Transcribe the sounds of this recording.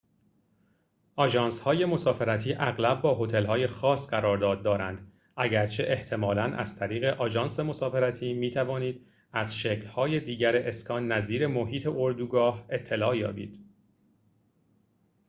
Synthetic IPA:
ʔɒːd͡ʒɒːnshɒːje̞mo̞sɒːfe̞ɾæt̪ʰiːʔæɣlæb̚bɒːɦo̞t̪ʰe̞lhɒːje̞xɒːsɢæɾɒːɾd̪ɒːd̪̚ːɒːɾænd̪ | æɟæɾt͡ʃʰe̞ʔeht̪ʰe̞mɒːlænʔæ̰z̥t̪ʰæɾiːɣe̞ʔɒːd͡ʒɒːnse̞mo̞sɒːfe̞ɾæt̪ʰiːmiːt̪ʰævɒːniːd̪̥ | æzʃecʰlhɒːje̞d̪iːɟæɾeʔeskɒːnːæziːɾe̞mo̞ɦiːt̪ʰe̞ʔoɾd̪uɡɒːhe̞t̪ʰːe̞lɒːjɒ̰ːbḭːd̪̥

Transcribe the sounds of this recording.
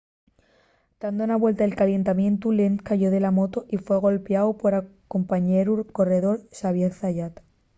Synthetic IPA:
d̪̥and̪ounaβwe̞lt̪aelkalje̞nt̪amjẽ̞nt̪ule̞nkaʝo̞ðe̞lamo̞t̪oʔifwe̞ɣ̞o̞lpeawpo̞ɾako̞mpaɲe̞ɾuko̞re̞ðo̞ɾsaβjeθθaʝat̪

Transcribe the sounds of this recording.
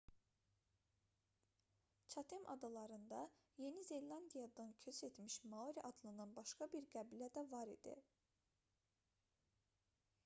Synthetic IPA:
t͡ʃʰɑt̪ʰimʔɑ̰d̪ɑlˠɑɾɯnd̪ɑ | je̞nize̞lˠɑnd̪ijɑd̪ɑnkʰø̞se̞t̪miʃmɑoɾiʔɑd̪lˠɯnɑnbɑʃkɑbiɾɡæbilæd̪ævɑɾḭd̪̥ḭ

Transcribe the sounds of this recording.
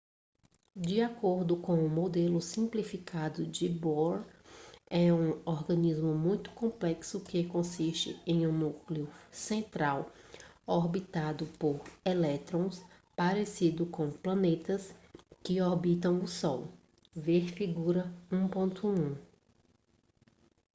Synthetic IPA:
d͡ʒiakoɾd̪ʊkõw̃ũmod̪elʊsĩplifikʰad̪ʊd͡ʒɪboɾ | ɛũɔɾɡɐ̃nizmʊmũj̃t̪ʊ̥kõplɛksʊkɪkõsiʃt͡ʃɪ̰ẽj̃ũnukliʊsẽnt̪ɾaw | oɾbit̪ad̪ʊpoɾelɛt̪ɾõw̃s | paɾesid̪ʊkõplɐ̃net̪ɐskɪoɾbit̪ɐ̃w̃ʊsɔw | veɾfiɡuɾɐũpõnt̪ʊũ

